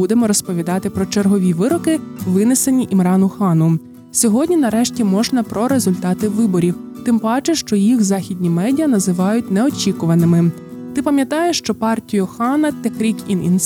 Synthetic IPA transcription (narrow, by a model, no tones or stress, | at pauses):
ud̪emɔɾɔspɔʋʲid̪ɑt̪ɪpɾɔt͡ʃerɦɔʋʲiʋɪɾɔkɪʋɪnesenʲiʔimɾɑnʊxɑnʊ | sʲɔɦɔdʲnʲinɐɾɛʃtʲimɔʒnɐpɾɔɾe̞zʊlʲt̪ɑt̪ɪʋɪbɔɾʲiwt̪ɪmbɑt͡ʃeʃt͡ʃɔjixzɑxʲidʲnʲimɛdʲiɐnɐzɪʋɑjʊt̚ʲnɛɔt͡ʃʲikʊʋɐnɪmɪ | t̪ɪpɐmʲjɐt̪ɑjeʃt͡ʃɔpɑrtʲijʊxɑnɐt̪ɛkɾʲikinḭn